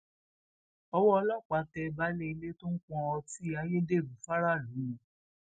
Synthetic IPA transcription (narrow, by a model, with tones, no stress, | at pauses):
ɔ˧wɔ˦ɔ˧lɔ˦˨k͡pa˨˦tɛ˧ba˨˦le˦i˧le˦to˦n̩˦k͡pɔ̃˧ɔ˧ti˦a˧je˦de˦˨ɾũ˨˦fa˦ɾa˦˨ɾĩ˨˦˨